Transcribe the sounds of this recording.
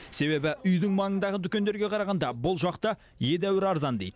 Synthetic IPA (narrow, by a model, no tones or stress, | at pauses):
se̞βe̞bɪʏjd̪ɪŋmɑŋənd̪ɑʁət̪ʰʏkʲe̞nd̪e̞ɾɡʲe̞qʰɑɾɑʁɑnd̪ɑbʊlˠʒɑqt̪ə | je̞d̪æwɪɾɑɾzɑnd̪e̞jd̪ə